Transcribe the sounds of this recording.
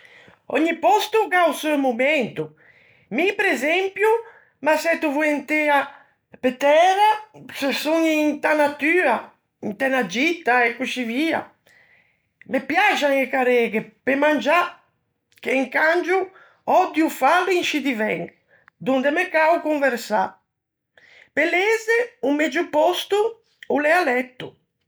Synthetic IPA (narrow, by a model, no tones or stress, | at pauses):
ɔ̰ɲːipɔst̪uɡawsuemumɛnt̪u | mipɾezɛmpju | masɛt̪ːuvuent̪ea | pet̪ɛɾasesuŋint̪anat̪yːa | int̪ɛnad͡ʒit̪aekut͡ʃiviːa̰ | mepjad͡ʒaŋekaɾɛɡepemand͡ʒa | k̟eiŋkand͡ʒu | ɔd̪jufalːuiŋʃid̪ivɛ̰ŋ | d̪und̪ɛmekawkuɱveɾsa̰ | pelezeumɛd͡ʒupɔst̪u | ulɛalɛt̪ːu